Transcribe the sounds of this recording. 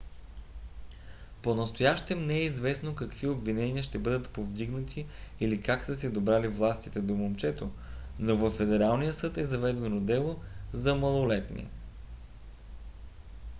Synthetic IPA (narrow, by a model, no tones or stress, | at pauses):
ponɐst̪ojaʃt̪ɛmnɛɛizvɛsnokɐkviobvinɛniəʃt̪ɛbɤd̪ət̪povd̪iɡnət̪ʰiːlikaksəsɛd̪obɾalivlˠast̪it̪ɛd̪omomt͡ʃɛt̪o | novəfːɛd̪ɛɾalˠnijəsɤt̪ɛzɐvɛd̪ɛnod̪ɛlˠozɐməlˠolɛt̪nʲɛ̰